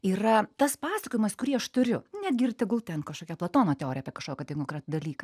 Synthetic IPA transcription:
iːrɐt̪ɐspɑːsɐkoːjɪmɐskʊɾʲiːɐʃt̪ʊɾʲʊnʲæd̪̚ʲɡʲɪrʲt̪ʲɛɡʊlˠt̪ʲɛnkɐʃkoːkʲɛplˠɐt̪oːnoːt̪ʲɛoːɾʲɪjaːpʲiɛkɐʃkoːkʲɛt̪ɐɪkokʲɛt̪d̪ɐlʲiːkɐ

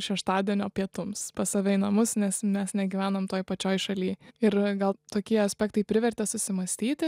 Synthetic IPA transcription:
ʃʲɛʃt̪ɑːd̪ʲiɛnʲoːpʲiɛt̪ʊmspɐsɐʋʲɛɪnɐmʊsnʲɛsmʲɛsnʲɛɡʲiːʋʲæːnomt̪oːjpɐt͡ʃʲoːjʃɐlʲiːɪɾɡɐlˠt̪oːkʲiɛɐsʲpʲɛkt̪ɐɪpʲɾʲɪʋʲɛrʲt̪ʲɛsʊsʲɪmɐsʲt̪ʲiːt̪ʲɪ

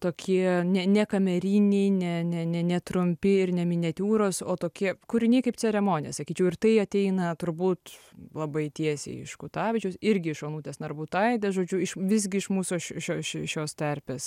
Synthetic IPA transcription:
t̪oːkʲiɛnʲɛnʲɛkɐmʲɛɾʲiːnʲɛɪnʲɛnʲɛnʲɛnʲɛt̪ɾʊmʲpʲɪɪɾnʲɛmʲɪnʲɛt̪ʲuːɾoːsoːt̪oːkʲiɛkʊɾʲɪnʲeɪkɐɪpt͡sʲɛɾʲɛmoːnʲɪjɛsɐkʲiːt͡ʃʲɛʊɪrt̪ɐɪɐt̪ʲɛɪnɐt̪ʊɾbuːt̪lˠɐbɐɪt̪ʲiɛsʲḛɪɪ̰ʃkʊt̪ɑːʋʲɪt͡ʃʲɛʊsɪɾʲɡʲɪɪʃoːnuːt̪ʲeːsnɐrbuːt̪ɐɪd̪ɐʒoːd͡ʒʲʊɪʃʋʲɪzʲɡʲɪɪʃmuːsoʃʃoːʃʲɪʃʲoːst̪ʲɐrʲpʲeːs

